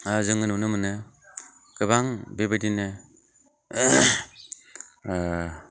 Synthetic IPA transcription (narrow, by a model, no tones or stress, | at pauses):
azɯŋɯnunɯmɯnɯ | kɯβaŋbebadinɯ